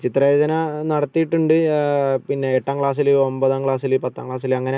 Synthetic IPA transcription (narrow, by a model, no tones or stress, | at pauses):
t͡ɕit̪ːrɐed͡ʑɐnɐnɐɽɐt̪ːijiʈːuɳɖɨpinːe̞eʈːaːŋɡɭaːs̬ilɨombɐðaŋkɭaːs̬ilɨpɐt̪ːaːŋɡɭaːs̬ilɐŋːɐne